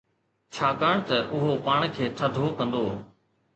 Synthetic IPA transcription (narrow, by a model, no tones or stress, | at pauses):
t͡ʃʰaːkaːɳ̃t̪ɐʔʊɦopaːɳ̃kʰeːʈʰəd̪ʱoːkɐ̃nd̪oː